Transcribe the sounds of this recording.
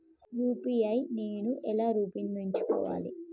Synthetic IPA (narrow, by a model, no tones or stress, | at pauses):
ɾuːpijɐjne̞ːnuʔɛlaːɾuːpinnoiɲt͡ʃu̥kɔ̰ːʋa̰ːlḭ